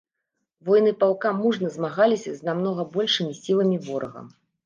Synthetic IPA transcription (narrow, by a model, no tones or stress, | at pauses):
vɔjnɨpalˠkamuʐnɐzmaɣalʲisʲɐznamn̪ɔɣɐbɔlʲʂɨmʲisʲilˠɐmʲivɔɾɐ̰ɣɐ̰m